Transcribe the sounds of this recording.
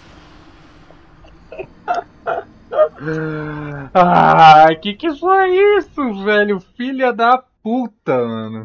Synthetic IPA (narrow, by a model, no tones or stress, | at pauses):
akɪkɪsoisʊvɛlʊfilɐd̪ɐput̪ɐmɐ̃nʊ